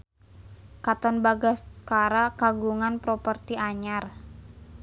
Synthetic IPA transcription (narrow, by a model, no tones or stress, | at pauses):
kat̪ɔnbaɡaskaɾakaɡuŋanpɾɔpərt̪iaɲar